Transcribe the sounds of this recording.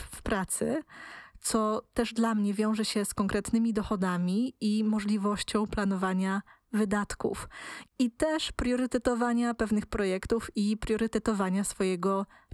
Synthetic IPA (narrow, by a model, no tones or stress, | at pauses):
fpɾat̪sɘt̪sɔt̪ɛʐd̪lamɲɛvʲjɔ̃w̃ʐɛɕɛskɔŋkɾɛt̪nɘmʲid̪ɔxɔd̪amʲiimɔʐlʲivɔɕt͡ɕɔ̃w̃plan̪ɔvaɲa | vɘd̪at̪kṵfit̪ɛʂpɾjɔɾɘt̪ɛt̪ɔvaɲapɛvnɘxpɾɔjɛkt̪ufipɾjɔɾɘt̪ɛt̪ɔvaɲasfɔjɛɡɔ